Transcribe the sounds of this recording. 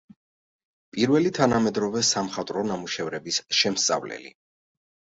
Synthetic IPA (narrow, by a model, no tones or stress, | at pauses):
pʼiɾvɛlit̪ʰanamɛd̪ɾɔvɛsamχat̪ʼɾɔnamuʃɛvɾɛbisʃɛmst̪sʼa̰vlɛ̰lḭ